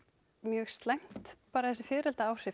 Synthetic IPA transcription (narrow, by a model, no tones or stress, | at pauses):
mjœːst̪lajm̥t̪paːɾaθɛsɪfɪːɾɛlt̪aaːwr̥ɪ